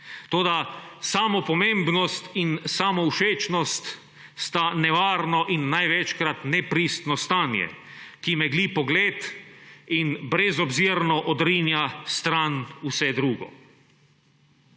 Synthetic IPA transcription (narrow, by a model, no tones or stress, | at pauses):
t̪oːd̪asaːmɔpɔmẽmbnɔst̪insaːmɔuʃeːt͡ʃnɔst̪ | st̪anɛʋaːɾnɔʔinːajʋɛt͡ʃkɾat̪nɛpɾist̪nɔst̪aːnjɛ̰ | kimɛɡlipɔɡleːt̪ | inbɾɛzɔbziɾnɔʔɔd̪ɾiːnjast̪ɾanusɛd̪ɾuːɡɔ̰